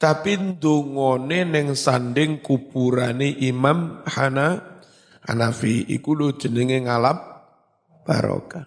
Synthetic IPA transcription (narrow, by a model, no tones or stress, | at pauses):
t̪apind̪oŋɔnenɪŋsanɖɪŋkub̥uɾaneʔimamhana | ha̰nafiḭkulod̥ʒ̥ə̤nəŋeŋalap̚ | b̥a̰ɾɔ̰ka